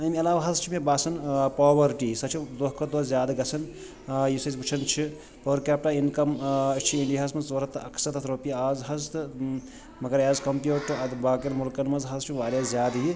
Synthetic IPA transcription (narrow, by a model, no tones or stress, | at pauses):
ɐmɐlaːʋaɦɐzt͡ʃʰimebaːsɐnpaːʋɐɾʈisɐt͡ʃʰid̪oɦkɐd̪ozjaːd̪ɡɐsʰɐn | jisɐzbut͡ʃʰɐnt͡ʃʰi | pɐɾkaːp̚ʈainkɐmt͡ʃʰiinɖiɦasmɐzʋɐɾɐt̪ɨɐkʰsɐt̪ʰɐt̪ʰɾoːpiaːzɦɐzt̪ɨ | mɐɡɐɾjaːzkɐmpjuːʈɐd̪baːkeɾmulkɐnmɐzɦɐzt͡ʃʰiʋaːɾjazʲjaːd̪ɦi